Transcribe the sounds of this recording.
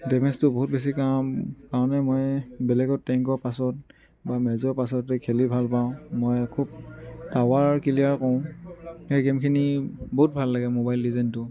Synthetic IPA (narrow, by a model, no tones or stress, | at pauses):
dɛmɛstʊbɔɦut̚bes̬ikamkaɹɔ̃nɛmɔjbɛlɛɡɔtɛŋkɔɹpasɔt̚ | bamɛzɔɹpasɔtɛkʰelibʱalpaʊ̃mojkʰub̚tawaɹkiliaɹkɔʊ̃hejɡɛmkʰiniboɦut̚bʱalːaɡɛmobajlːizɛntʊ